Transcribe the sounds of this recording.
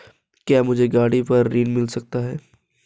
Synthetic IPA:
kjaːmʊd͡ʒʱeɡaːɽipɐɾːiːnmɪlsɐk̚t̪aɦɛː

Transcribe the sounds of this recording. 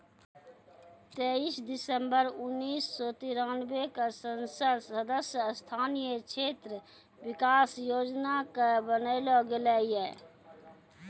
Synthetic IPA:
t̪eːiːsd̪ɪsəmbəɾʊnːiːsːɔt̪iɾaːnbekasənsəɾsəd̪əsjəst̪ʰaːnijəkt͡ʃʰeːt̪ɾə | wɪkaːsjoːd͡ʒnakabənəɪloɡɪlɛːiɛː

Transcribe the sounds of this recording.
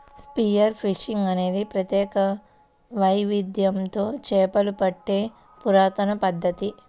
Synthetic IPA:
spijɐɾpʰiʃiŋɡɐne̞ːd̪ipɾɐt̪jɛːkɐ | ʋɐjʋid̪jɐmt̪o̞ːt͡ʃɛːpɐlupɐʈːeː | puɾaːt̪ɐnɐpɐd̪ʱːɐt̪i

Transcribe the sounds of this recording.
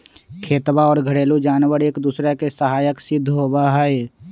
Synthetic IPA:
kʰeːt̪baɔːɾɡʱəɽeːlud͡ʒaːnwəɾeːkd̪uːsɾekesəɦaːjəksɪd̪ʱːɦoːbaɦɛe

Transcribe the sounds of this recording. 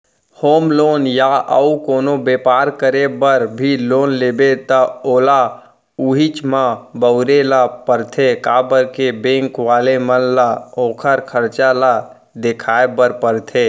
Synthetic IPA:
hoːmloːnjaə̰ukoːnobeːpaːɾkəɾebəɾbʱiloːnleːbet̪əoːla | uɦit͡ʃmãbəʊɾelapəɾt̪ʰekabəɾkebẽːŋkʋaːlemənlaoːkʰəɾkʰəɾt͡ʃala | d̪ekʰaːebəɾpəɾt̪ʰe

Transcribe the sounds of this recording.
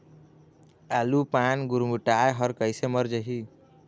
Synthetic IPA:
alupanɡuɾmuʈajɦʌɾkʌjsemʌɾd͡ʒʌɦi

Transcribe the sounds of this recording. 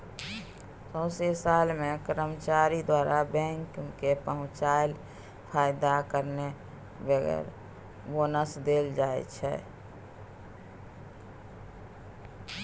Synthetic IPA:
sə̃ʊsesalmẽkɾəmt͡ʃaɾid̪waːɾabɛ̃ŋkkepəɦʊ̃t͡ʃaːl | pʰaːjd̪akəɾne | bəɡɛ̰ɾ | bonəsd̪eld͡ʒaːɛ̰t͡ʃʰɛ̰

